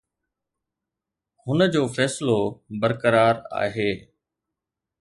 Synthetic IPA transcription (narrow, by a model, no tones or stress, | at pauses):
hʊnəd͡ʑoːfɛːslobəɾkəɾaːɾa̰ːɦeː